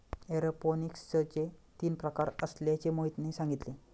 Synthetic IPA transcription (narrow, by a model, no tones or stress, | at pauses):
eɾəponikst͡ɕət͡ɕet̪iːnpɾəkaɾəsljat͡ɕemoɦit̪nesãŋɡit̪le